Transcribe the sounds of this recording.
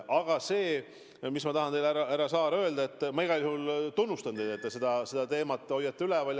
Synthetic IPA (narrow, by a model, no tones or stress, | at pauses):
ʔɑɡ̥ɑse̞ː | mismɑt̪ɑɦɑnt̪e̞jlæɾɑæɾɑsɑːɾø̞ːld̪ɑe̞t̪ːˑmɑiɡɑlʲihult̪unːust̪ɑnd̪e̞jd̪et̪ːɑse̞d̪ɑse̞d̪ɑt̪e̞ːmɑt̪ːˑo̞jːɑt̪ːeylɛvɑlʲ